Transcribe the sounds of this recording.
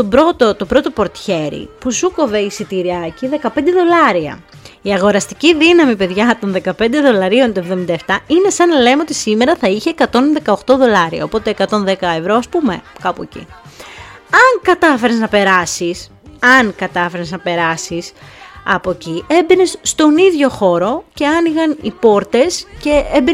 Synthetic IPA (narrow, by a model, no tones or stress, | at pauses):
t̪obɾo̞t̪o̞t̪opɾo̞t̪opo̞ɾt̪çe̞ɾḭpusuko̞ve̞isit̪iɾiɐciðe̞kɐpend̪eðo̞lɐɾiɐ̰ | iɐɣo̞ɾɐst̪iciðinɐmipe̞ðʝɐt̪o̞nðe̞kɐpe̞nd̪e̞ðo̞lɐɾio̞nt̪oevðo̞mind̪ɐeft̪ɐine̞sɐnɐle̞meo̞t̪isime̞ɾɐθɐiçeːkɐt̪o̞nðe̞kɐoxt̪o̞ðo̞lɐɾiɐ̰opo̞t̪eːkɐt̪o̞nðe̞kɐevɾo̞ɐspume̞̰kɐpuecḭ | ɐŋkɐt̪ɐfe̞ɾeznɐpe̞ɾɐsis | ɐŋkɐt̪ɐfe̞ɾeznɐpe̞ɾɐsisɐpo̞cie̞mbine̞sːt̪o̞niðʝo̞xo̞ɾo̞ce̞ɐniɣɐnḭpo̞ɾt̪e̞sce̞embi